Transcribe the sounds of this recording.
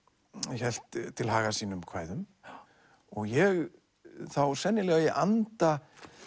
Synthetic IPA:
çɛl̥t̪ʰːɪlɦaːɣasiːnʏmkʰvaːjðʏm | ɔɣjɛɣ | θawsɛnːɪlɛːɣajɛʔant̪a

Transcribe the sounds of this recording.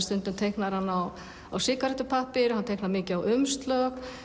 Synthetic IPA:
st̪ʏnt̪ʏmt̪ʰejhknaɾhanːaw | awsɪːkaɾɛt̪ʏpʰahpɪɾhant̪ʰejknaɾmɪːcɪawʏmst̪lœk

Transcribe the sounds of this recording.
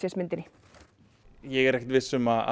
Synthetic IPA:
sjɛsmɪnt̪ɪnːɪ | jɛɣɛɾɛhx̚t̪vɪsʏmaða̰

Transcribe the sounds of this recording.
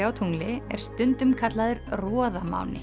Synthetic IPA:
aːwt̪ʰuŋlɪɛ̰ɾ̥st̪ʏnt̪ʏmkʰat̪laðʏɾrɔːðama̰ːwnɪ̰

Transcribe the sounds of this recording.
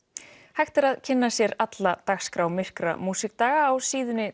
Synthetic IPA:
hajxt̪ɪɾaðcʰɪnːasjɛɾat̪lat̪axskɾawmɪr̥kɾa̰muːsɪk̚t̪aːɣaːwsiːðʏnːɪ

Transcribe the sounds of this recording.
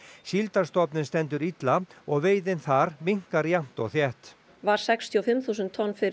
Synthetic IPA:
ɕilt̪aɾ̥st̪ɔpnɪnst̪ɛnt̪ʏɾit̪laɔɣveːjðɪnθaɾmiŋ̥kaɾjam̥t̪ɔɣθjɛht̪ | vaɾ̥sɛkst̪ʰiɔfɪmθuːs̬ʏnt̪ʰːɔnːfɪ

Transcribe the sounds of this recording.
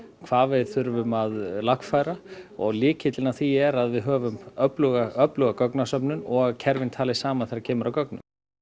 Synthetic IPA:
kʰvaːvɪðθʏɾvʏmaðlaxkfaːjɾaɔɣlɪːcʰɪt̪lɪnaθiɛɾaðvɪðɦœːvʏmœplʏɣaœplʏɣakœknasœpnʏnɔɣaðcʰɛɾvɪnt̪ʰaːlɪsaːmanðθejɾaɾcʰɛːmʏɾawkœknʏmm

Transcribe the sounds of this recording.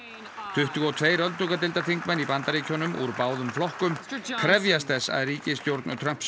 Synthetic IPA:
t̪ʰʏht̪ʏɣɔt̪ʰveːjɾœlt̪ukat̪ɪlt̪aθiŋkmɛnipant̪aɾiːcʰɔnʏmʔṵɾpaːwðʏmflɔhkʏmkʰɾɛvjast̪θɛsːa̰ðriːcɪst̪jowɾt̪nʏt̪ʰɾœm̥ps

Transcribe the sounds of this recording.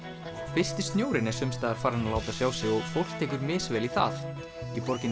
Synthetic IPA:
fɪr̥st̪ɪ̥st̪njoːwɾɪnɛɾ̥sʏmst̪aːðaɾ̥faːɾanalaːwt̪asjaːwsɪɔɣfowl̥t̪ʰeːjkʏɾmɪːsvɛːliθa̰θ | ipɔɾcɪn

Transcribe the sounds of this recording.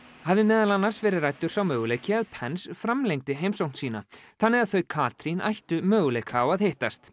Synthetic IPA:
havðɪmɛːðalanːḁsvɛːɾɪðrajt̪ʏɾ̥sawmœːɣʏlejcɪaðpʰɛnsfɾamlejŋt̪ɪɦeːjmsawn̥t̪siːnaθanːɪɣaðθœɥkʰaːt̪ɾinʔa̰jht̪ʏmœːɣʏlejkʰaːwaðhejht̪ast̪

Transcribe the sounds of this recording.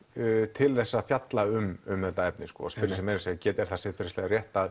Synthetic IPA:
t̪ʰɪlθɛsːaðfjat̪laʏmʏmθɛt̪ːaɛp̚nɪskɔ̰asppɪɾjasɛmejɾaseacɛːt̪ɛɾ̥θasɪðfɪɾɪslɛɣaɾrjɛht̪að

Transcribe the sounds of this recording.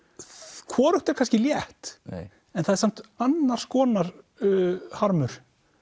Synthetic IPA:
kʰvɔːɾʏht̪ɛɾ̥kʰanscɪljɛht̪ | ɛnθaðɛɾsam̥t̪anːaɾ̥skɔːnaɾ̥ | haɾmʏɾ̥

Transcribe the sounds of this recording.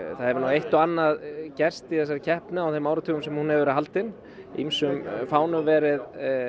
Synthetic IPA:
θaðhɛvʏnawejht̪ɔanːaðcɛr̥st̪iθɛs̬ːaɾcʰɛhpnʏawθejmːaːwɾat̪ʰʏːɣʏmsɛmhunhɛvɪvɛɾɦalt̪ɪn | ḭmsʏmfaːwnʏmvɛːɾɪð

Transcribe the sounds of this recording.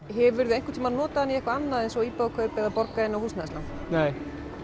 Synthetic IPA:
ɦɛɾvʏɾðʏejŋ̥kʏt̪ʰiːmaðnɔːt̪aanːiɛhkvaanːaðɛjnsɔɣiːpaðkʰœpɛðapɔɾkaɪnːawhuːsnaɛstlan | neːj

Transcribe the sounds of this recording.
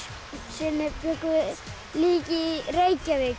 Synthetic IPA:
sinːepjoku | liːkireikːæʋe

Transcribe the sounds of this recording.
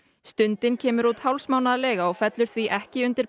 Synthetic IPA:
st̪ʏnt̪ɪncʰɛːmʏɾut̪hawlsmaːwnaðalɛːɣaɔɣfɛt̪lʏɾ̥θviʔɛhcɪʏnt̪ɪɾ̥

